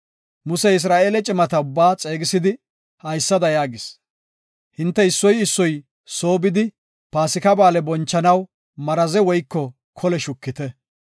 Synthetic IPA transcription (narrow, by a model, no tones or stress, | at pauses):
mʊsɛɪs̬ɾaːʔe̞ːlɛt͡ʃʼɪmɐt̪ɐʊbːaːt͡sʼe̞ːɡɪsɪd̪ɪ | hɐjsːɐd̪ɐjaːɡɪs | hɪnt̪ːɛɪsːɔjɪsːɔj | so̞ːbɪd̪ɪ | paːsɪkɐbaːlɛbɔnt͡ʃːɐnɐw | mɐɾɐzɛwɔjkːɔ | kʰɔlɛʃʊkːɪt̪ɛ